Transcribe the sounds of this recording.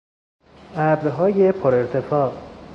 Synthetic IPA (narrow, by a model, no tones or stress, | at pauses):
ʔæbd̪ɦɒːjepʰoɾe̞ɾt̪ʰe̞fɒːʔ